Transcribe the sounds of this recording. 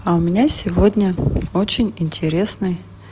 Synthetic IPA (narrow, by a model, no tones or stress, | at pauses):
aʊmʲɪnʲasʲɪvodʲnʲəo̞t͡ɕɪnʲɪnʲtʲɪɾʲe̞snɨj